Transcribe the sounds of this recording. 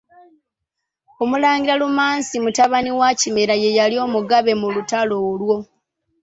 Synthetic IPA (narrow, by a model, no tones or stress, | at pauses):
omulaːŋɡiɾalumaːnsimutaβaniwacime̞ɾaje̞jalio̞ːmuɡaβe̞mulutaloːlwo̞